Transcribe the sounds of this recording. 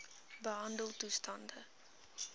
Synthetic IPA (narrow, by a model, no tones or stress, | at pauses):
bəɦɐndəlˠtustɐndə